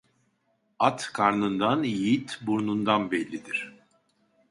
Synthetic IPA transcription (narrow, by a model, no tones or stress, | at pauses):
at̪kʰaɾnɯnd̪anjijit̪buɾnund̪anbɛlʲːid̪iɾ̥